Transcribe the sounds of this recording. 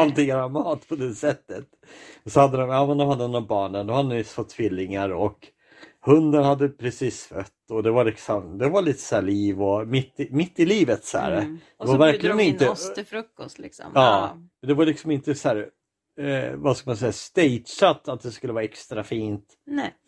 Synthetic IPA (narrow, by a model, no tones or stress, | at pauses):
alt̪ɪŋaɾamɑːt̪pʰɔd̪ɛsɛt̪ːət̪ | ɔsɔhad̪ːəd̪ɔmjɑːmɛnd̪ɔmhad̪ːənɔbɑːɳənd̪ɔmhad̪ədfɔt̪ʰːvɪlːɪŋaɾɔk | hɵnd̪ənhad̪ːəpʰɾɛsiːsfœt̪ːɔd̪ɛvaɾɭɪksɔmd̪ɛvaɭiːt̪ə̥sæːɭiːvɔmɪt̪ːɪmɪt̪ːɪliːvət̪sæ̰ːɾd̪ɛvaɾvæɾklɪɡənɪnəfɾɵkːɔst̪lɪksɔ̰mɑːmɛnd̪ɛvaɾlɪksɔmɪnt̪əsæːɾ | vaskamansɛjːast̪ɛjt̪sat̪ːat̪̚d̪ɛskɵlːəvɑːɛkst̪ɾafiːnt̪